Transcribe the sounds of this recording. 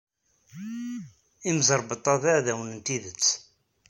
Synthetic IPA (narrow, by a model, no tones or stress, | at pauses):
imzəɾˤbət̪ˤːɑðæʕðæwənənt̪iðət͡sː